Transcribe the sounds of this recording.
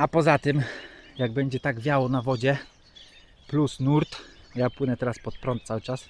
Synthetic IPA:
apɔzat̪ɘmjaɡ̚bɛɲd͡ʑɛt̪aɡbʲjawɔnavɔd͡ʑɛ | plusnuɾt̪japwɘnɛt̪ɛɾaspɔt̪̚pɾɔnt̪t̪sawɘt͡ʂas

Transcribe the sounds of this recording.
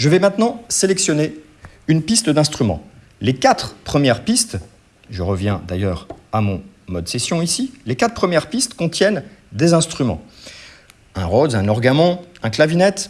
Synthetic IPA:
ʒəvɛmɛ̃t̪nɑ̃selɛksjɔne | ynpist̪d̪ɛ̃st̪χymɑ̰̃ | lekat̪χpχəmjɛʁpist̪ | ʒəʁəvjɛ̃d̪ajœʁamɔ̰̃ | mɔd̪sesjɔ̃isilekat̪χpχəmjɛʁpist̪kɔ̃t̪jɛnd̪ezɛ̃st̪χymɑ̰̃ | ɛ̃ʁozɛ̃nɔʁɡamɔ̃ɛ̃klavinɛt̪

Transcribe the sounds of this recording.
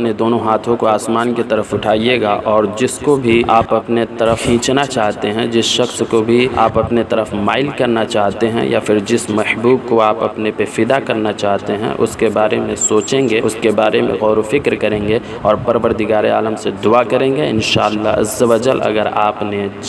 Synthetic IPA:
ned̪oːnõɦaːt̪ʰõkoaːsmaːnkit̪ɐɾəfʊʈʰaːieːɡaʔɔːɾd͡ʒɪskobʱiaːpɐpnet̪ɐɾəfɦĩːt͡ʃnat͡ʃaːɦt̪eɦɛ̃d͡ʒɪsʃɐxskobʱia̰ːpɐpnet̪ɐɾəfmaːɪlkɐɾnat͡ʃaːɦt̪eɦɛ̰̃ja̰fʰɪɾd͡ʒɪsmɛhbuːbkoaːpɐpnepefɪd̪akɐɾnat͡ʃaːɦt̪eɦɛ̰̃ʔʊ̰skebaːɾemẽsoːt͡ʃẽːŋɡeʊskebaːɾemḛ̃ɣɔːɾofɪkɾkɐɾẽːŋɡe | ɔːɾpɐɾʋəɾd̪ɪɡaːɾea̰ːləmsed̪ʊakɐɾẽːŋ̆ɡeɪ̰nʃaːəlːaɐ̰zːɐʋɐd͡ʒəlɐ̰ɡəɾaːpne

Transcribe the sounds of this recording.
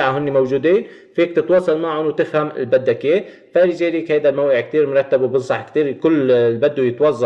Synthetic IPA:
ʕaɦʊnːimowʒuːd̪iːn | fiːkt̪ɪt̪wɑːsˤɑlmaʕʊnwt̪ɪxhamɪ̰lbad̪ːakeː | faːɾɪd͡ʒeːliːkhajd̪almawʔɪʕk̚t̪iːɾmɾˤɑt̪ːabwbɪnsˤɑħkt̪iːɾkʊlːlbad̪ːujɪt̪wɑzˤːɑ

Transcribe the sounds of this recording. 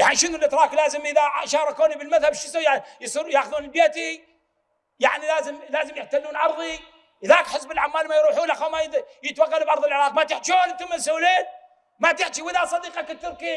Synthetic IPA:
jaʕniʃɪnulʔɪt̪ɾˤɑːklaːzɪmʔɪðaʕʃɑːɾˤɑkoːnibɪlmaðhabʃɪsawjajsˤiɾjaːxðuːnɪlbeːt̪i | jaʕnilaːzɪmlaːzɪmjɪħt̪alːuːnʕɑɾˤðˤi | ʔɪðaːkħɪsbɪlʕamːaːlmajɾˤuːħuːnlʔaxamajjɪt̪waqːalbʕɑɾˤðˤɪlʕɪɾˤɑːq̚mat̪ɪħt͡ʃoːnt̪ɪmːɪlsʊwleːn | mat̪ɪħt͡ʃiwɪðasˤɑd̪iːqakɪt̪ːʊɾˤki

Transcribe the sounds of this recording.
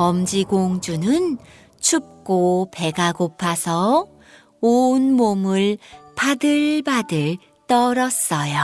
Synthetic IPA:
ʌmd͡ʑiɡoŋd͡ʑunɯn | t͡ɕʰup̚k͈ope̞ɡaɡopʰasʰʌ | onmomɯɭpadɯɭbadɯɭ | t͈ʌɾʌs͈ʌjo

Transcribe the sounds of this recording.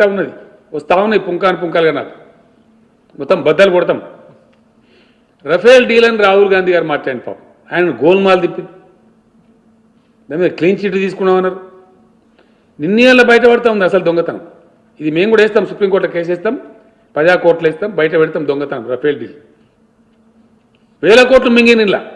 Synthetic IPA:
aːunːɐd̪i | ost̪ʰaːʋunɐipuŋkaːnipuŋkaːlɡɐnːa̰ːɾu | mɔt̪ːɐmbɐd̪ːɐlukɔɽt̪̬am | ɾɐpʰejlɖiːlɐniɾaːɦuːlɡaːnd̪ʱiɡaːɾimaːʈt͡ʃɐːjinpa̰ːm | aːjɐnɐnɡo̞ːlmaːld̪ipːind̪i | d̪ɐmːkliːnt͡ʃiʈːut̪iːsu̥kunːaːʋɐnːaːɾu | ninːijalːɐbɐjɐʈ̬ɐpɐɽt̪aːmund̪iɐsɐld̪oŋɡɐt̪a̰m | id̪ime̞ːmkɡuːɽɐeːst̪aːmsupɾiːmkoːʈlɐkeːs̬eːst̪aːm | pɐd͡ʒaːkoːɾʈlɐeːst̪aːmbɐjɐʈ̬ɐbɛɽt̪aːmd̪oŋɡɐt̪amɾɐpʰeːlɖḭːl | ʋeːlɐkoːɾʈlɐmiŋɡininla̰ː

